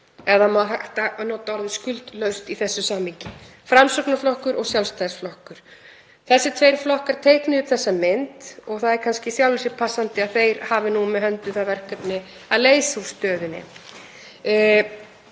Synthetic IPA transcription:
ɛðamaɦaht̪anɔːt̪aɔɾðɪskʏlt̪lœɥst̪iθɛsːʏsaːmhiɲcɪ | fɾamsœknaflɔhkʏɾɔɣsjawlst̪ajɾ̥sflɔhkʏɾ̥ | θɛsːɪt̪ʰvejɾflɔhkaɾ̥t̪ʰejhknɪʏpθɛsːamɪnt̪ɔɣθaðɛɾkʰanscɪsjawlɪsɪpʰasːant̪ɪaðθejɾhaːvɪnumɛðɦœnt̪ʏθaðvɛr̥hkœpnɪ | aleːjsau̥st̪œːðʏnɪ̰

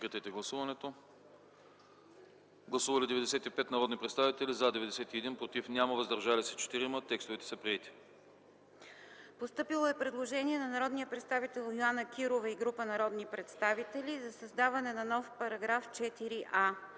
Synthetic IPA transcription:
kɐt̪ɛt̪ɛɡlˠɐsuvɐnɛt̪o | ɡlˠɐsuvɐlʲid̪ɛvɛd̪ɛsɛt̪ipɛt̪nɐɾɔd̪nipɾɛt̪st̪avit̪ɛlizad̪ɛvɛd̪ɛsɛt̪iɛd̪inpɾot̪ifnʲjaməvəzd̪ɐɾʒalisɛt͡ʃɛ̥t̪iɾimət̪ɛkst̪ovɛt̪ɛ̥sɐpɾiɛt̪i̥ | post̪ɤpilˠoɛpɾɛd̪lˠoʒɛnʲiɛnɐnɐɾɔd̪nijəpɾɛt̪st̪avit̪ɛlˠjoanəkiɾovɐiɡɾupənɐɾɔd̪nipɾɛt̪st̪avit̪ɛlʲizɐsɐzd̪avɐnɛnɐnɔfpɐɾɐɡɾaft͡ʃɛt̪iɾiʔa

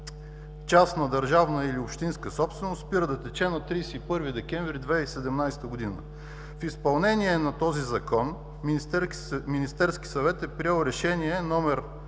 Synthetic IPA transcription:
t͡ʃast̪nɐd̪ɐɾʒavnəiliʊpʃt̪inskəsɔpst̪vɛnospiɾəd̪ɐt̪ɛt͡ʃɛnɐt̪ɾiːsɛipɤɾvid̪ɛkʲɛɱvɾid̪vɛisɛd̪ɛmnajst̪əɡʊd̪inə̰ | fispɐlˠnɛniɛnɐt̪ɔzizɐkɔn | minist̪ɛɾskʲi̥sɐvɛt̪ɛpɾiɛlˠɾɛʃɛniɛnɔmɛɾ

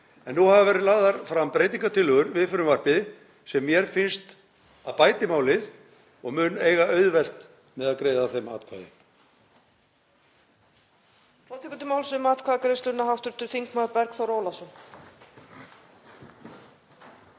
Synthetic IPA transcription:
ɛnːuhavavɛːɾɪðlaːɣðaɾ̥fɾampɾejt̪̬iŋkat̪ʰɪlːʏɣʏɾvɪðfʏɾʏmvar̥pɪðɪ | sɛmːjɛɾ̥fɪnst̪ | aðpaːjt̪ɪmaːwlɪð | ɔɣmʏneːjɣaœɥðvɛl̥t̪ | mɛðaðkɾeːjðaθejma̰ːt̪kʰva̰ːðɪ̰ | fɔwt̪ʰɛkʏt̪ɪmawlsʏmaːt̪kʰaːðakɾeðst̪ʏtnaɦawft̪ʏɾ̥t̪ʏɾ̥θiŋkmapɛɾkθawɾoːwlasʏ

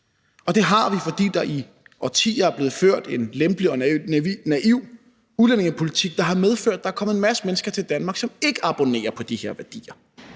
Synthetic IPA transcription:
ɒ̽d̥e̝ɦɑ̈ʋifɒ̽d̥ḭːd̥ɑ̈ʔi | ʔɒt͡sʰḭːɐæɐ̥le̝ːð̩ˠføɐ̰d̥e̝nlemb̥liɒ̽næʔiʊ̰ | ulene̝ŋəpʰo̝lit͡sʰiɡ̥̚d̥ɑ̈ɦɑ̈meðˠføɐ̰d̥̚ɑ̈æɐkʰɒ̽mð̩ˠenmæsə̥menəsɡ̥ɐt͡sʰe̝ld̥ænmɑ̈ːɡ̥sɒ̽me̝ɡ̥əʔɑ̈b̥o̝ne̝̰ːɐpʰɒ̽d̥ihe̝ɐ̰ʋæɐd̥ḭːɐ

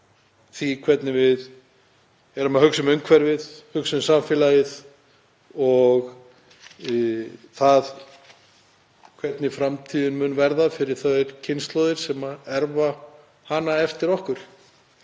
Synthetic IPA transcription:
θikʰvɛt̪nɪvɪð | ɛɾʏmahʏksʏmʏŋkʰvɛɾvɪðhʏksʏmsaɱfjɛlajɪð | ɔɣ | θað | kʰvɛt̪nɪfɾamt̪ʰiːðʏnmʏnvɛɾðafɪɾɪɾ̥θœɾ̥cʰɪnst̪lɔwðɪɾ̥sɛmaɛɾva | hanaɛft̪ɪɾɔhkʏɾ̥

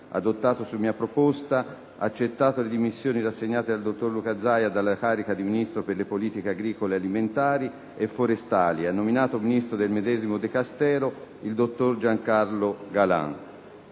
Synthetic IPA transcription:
a̰d̪ot̪ːaːt̪osumiːapɾopost̪a | at͡ʃːet̪ːaːt̪oled̪imisːjoːniɾasːeɲːaːt̪ed̪ald̪ot̪ːorlukad̪zajad̪alːakaːɾikad̪iminist̪ɾoperlepoliːt̪ikeaɡɾiːkolealiment̪aːɾi | efːoɾest̪aːlianːominaːt̪ominist̪ɾod̪elmed̪ɛːzimod̪ekast̪ɛːɾoild̪ot̪ːord͡ʒaŋkarloɡala̰n

